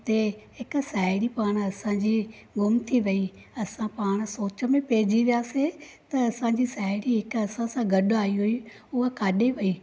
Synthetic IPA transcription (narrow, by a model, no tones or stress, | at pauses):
t̪eɦɪk̆saːɪɽipaːɽ̃ɐsãd͡ʑiː | ɡʊmt̪ʰiʋɐi | ɐsãpaːɽ̃̆soːt͡ɕə̆mẽpeːd͡ʑiʋijaːset̪ɐɐsãd͡ʑisaːɪɽiɦɪkɐsãsãɡʱɐɗaːiɦʊi | ʊɦəkaːɗeʋɐiː